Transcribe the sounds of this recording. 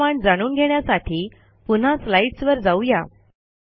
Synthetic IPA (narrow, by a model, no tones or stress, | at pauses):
aɳd͡zaɽ̃uːnɡʱeɳjasaʈʰiː | pun̤aslaiʈsʋəɾd͡zauja̰